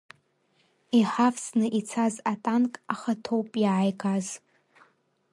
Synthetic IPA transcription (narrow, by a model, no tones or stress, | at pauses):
iħafsnɨʔit͡sʰazatʼankʼaχatʰowpʼjʕajɡʼaz